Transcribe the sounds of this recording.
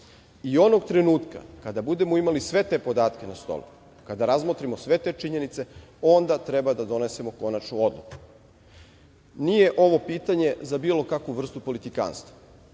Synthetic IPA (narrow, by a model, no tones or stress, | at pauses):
io̞no̞ɡt̪ɾe̞nuːt̪ka̰kad̪abud̪e̞moimalisʋe̞t̪e̞po̞d̪aːt̪ke̞nast̪o̰lṵ | kad̪aɾazmot̪ɾimosʋe̞t̪e̞t͡ʃiɲe̞nit̪se̞o̞nd̪at̪ɾebad̪ad̪o̞ne̞se̞mo̞ko̞nat͡ʃnuo̞d̪lˠuku̥ | nije̞ʔo̞ʋo̞piːt̪aɲe̞zabiːlo̞kakʋuʋr̩st̪upo̞lit̪ika̰ːnst̪ʋa